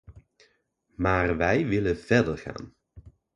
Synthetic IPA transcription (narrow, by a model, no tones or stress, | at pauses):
maːrʋɛjʋɪləvɛɹdəɹχa̰ːn